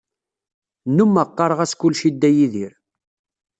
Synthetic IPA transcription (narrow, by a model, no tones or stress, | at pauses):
numːəqːɑɾˤʁæskʊlːʃid̪ːæjiðiɾ